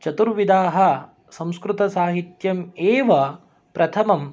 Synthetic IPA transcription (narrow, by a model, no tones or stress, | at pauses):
t͡ʃɐt̪uɾʋid̪aːɦɐ̆ | sɐ̃w̃skɾut̪ɐsaːɦit̪jɐmeːʋɐ | pɾɐt̪ʰɐmɐm